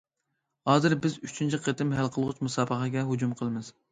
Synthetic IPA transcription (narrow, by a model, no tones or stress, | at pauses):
hɑːzɨɾbɪzyt͡ʃʰint͡ʃʰiqʰet̪ɪmɦælqʰəlˠʁʊt͡ʃmusɑːbəqʰɑɡʲɛɦud͡ʒumqʰəlˠmɪz̥